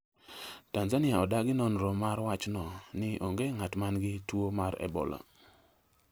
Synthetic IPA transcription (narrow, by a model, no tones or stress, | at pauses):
tanzanɪaɔdaɡɪnɔnɾɔmaɾwat͡ʃnɔnɪʔoŋɡeŋatmanɡɪtwomaɾɛ̰bɔ̰la̰